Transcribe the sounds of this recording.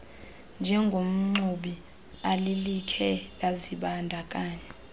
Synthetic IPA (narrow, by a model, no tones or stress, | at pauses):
nd͡ʒʱɛŋɡʱom̩ŋ͡ǀuɓi | alilikʰɛlaziɓandʱakʼaːɲɛ